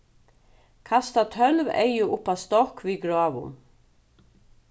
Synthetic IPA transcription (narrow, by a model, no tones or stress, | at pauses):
kʰast̪at̪ʰœlvḛjɪʔʊpːast̪ɔhkviɡɾɔːvʊ̰n